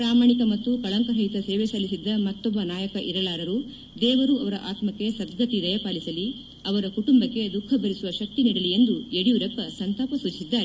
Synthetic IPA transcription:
ɾaːmaːɳikɐmɐt̪ːukɐɭɐŋkɐɾɐjt̪ɐseːʋesɐlisid̪ːɐmɐt̪ːɔbːɐnaːjɐkɐʔiɾɐɭaːɾɐɾu | d̪ɛːʋɐɾuɐʋɐɾɐʔaːt̪mɐkːe̞sɐd̪ɡʱɐt̪id̪ɐjɐpaːlisɐli | ɐʋɐɾɐkuʈumbɐkːed̪ukʰːɐbʱɐɾisuʋɐʃɐk̚t̪iniːɽɐlie̞nd̪ueɽijuɾɐpːɐsɐnt̪aːpɐsud͡ʒisid̪ːaːɾe

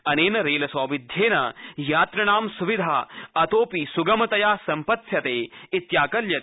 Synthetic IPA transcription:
ɐneːnɐɾeːlɐsɔːʋid̪ʱjeːnɐ̰jaːt̪ɾɐnaːmsuʋid̪ʱaːɐt̪oːpisuɡɐmɐt̪ɐjaːsɐmpɐt̪jɐt̪eːit̪jaːkɐljɐt̪ː

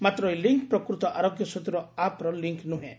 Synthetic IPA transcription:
mat̪ɾɔjliŋk̚pɾɔkɾut̪ɔʔaɾoɡjɔsɔt̪uɾɔapɾɔliŋknuɦḛ̃

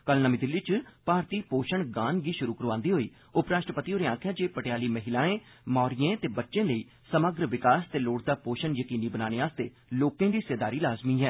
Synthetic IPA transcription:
kəlnəmiːd̪ɪlːiːt͡ʃpaːɾt̪iːpoːʃəɳɡãːnɡiːʃʊɾuːkəɾʋãːnd̪iːɦoːḭː | ʊpɾaːʃʈɾəpət̪iːoːɾeãːkʰjaːd͡ʒeːpəʈejaːliːməɦɪlaːẽː | mɔːɾijẽːt̪eːbətːʃẽːləiː | səməɡɾʋɪkaːst̪eːloːʈ̚d̪aːpoːʃənjəkiːniːbənaːneːaːst̪ḛː | loːkẽːd̪iːseːd̪aːɾiːlaːzmiːɦɛː

